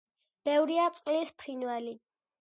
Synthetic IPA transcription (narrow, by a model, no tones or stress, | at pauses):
b̥ɛvɾiat̪sʼqʼlispʰɾinwɛli